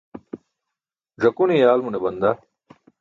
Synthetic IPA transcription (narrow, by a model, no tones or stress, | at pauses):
zɐkunijaːlmunebɐnd̪aː